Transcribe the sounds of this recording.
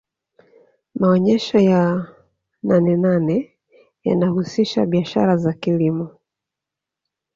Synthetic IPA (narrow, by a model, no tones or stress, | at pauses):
maɔɲɛʃɔja | nanɛnanɛ | ja̰nahusiʃa̰ɓiaʃa̰ɾazakilimɔ